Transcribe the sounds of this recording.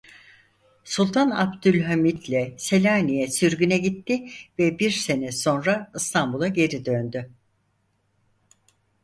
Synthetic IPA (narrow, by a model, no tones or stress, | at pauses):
sulˠt̪ʰana̰bd̪ylʲɦamit̪lʲɛselʲaːnijɛsyɾɡynɛɟit̪ʰːɪvɛbiɾse̞nɛso̞nɾaɯst̪ʰambulˠaɟe̞ɾid̪ønd̪y